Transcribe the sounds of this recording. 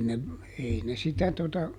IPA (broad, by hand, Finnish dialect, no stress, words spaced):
ne ei ne sitæ totɑ